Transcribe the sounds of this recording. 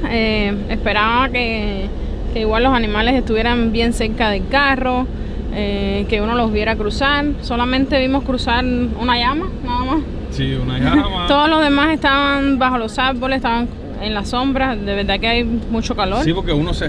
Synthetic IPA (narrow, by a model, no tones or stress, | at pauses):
eespe̞ɾaβake | ke̞iɣwalːo̞sanĩmale̞se̞ht̪uβje̞ɾambje̞ŋse̞ɾkaðe̞lkaro̞ | eke̞uno̞lo̞ɦβje̞ɾakɾusaɾso̞lamẽnt̪e̞βimo̞hkɾusaɾunaʝamanaðamas | siunajat̪o̞ðozlo̞zɦðe̞mase̞ht̪aβaŋbaho̞lo̞saɾbo̞leht̪aβaŋ | e̞nlaso̞mbɾad̪e̞βe̞ɾd̪akeajmut͡ʃo̞kalo̞ɾsipoɾkeunose